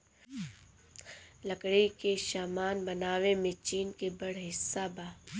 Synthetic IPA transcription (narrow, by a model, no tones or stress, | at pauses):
lɐkɽikeʃaːmaːnbɐnaːʋemẽt͡ʃiːnkebɐɽɦɪsːabaː